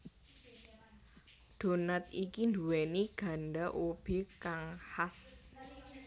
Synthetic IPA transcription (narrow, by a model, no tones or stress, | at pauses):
d̪̥o̤nat̪̚ikind̪uwɛniɡ̥a̤nɖaʔob̥ikaŋhas